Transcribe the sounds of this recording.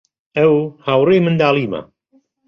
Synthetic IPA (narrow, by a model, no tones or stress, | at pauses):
ɐwhaːwrejmɨnd̪aːlˠiːma̰